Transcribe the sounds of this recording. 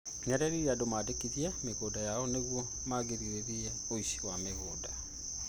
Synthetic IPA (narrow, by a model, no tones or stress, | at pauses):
ɲaɾeɾijadomadekiðjameɣodajaoneɣwo | maɡiɾiweβija | oiʃi̥wameɣoda